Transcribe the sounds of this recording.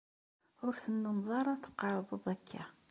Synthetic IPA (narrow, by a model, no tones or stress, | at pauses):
ʊɾθənːənðˤɑɾˤɑθə̥qːɑɾˤðˤəðˤækʰːæ